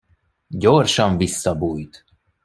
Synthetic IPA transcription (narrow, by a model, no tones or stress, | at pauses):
ɟorʃɒɱvisːɒbuːjt̪